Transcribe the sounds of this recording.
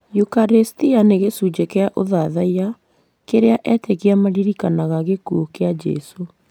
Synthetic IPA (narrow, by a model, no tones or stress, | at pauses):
jukaɾestianeɣesud͡ʒekeaʔoðaðaiɾa | keɾeaʔɛteɣeamaɾiɾikanaɣaɣekuokead͡ʒɛ̰so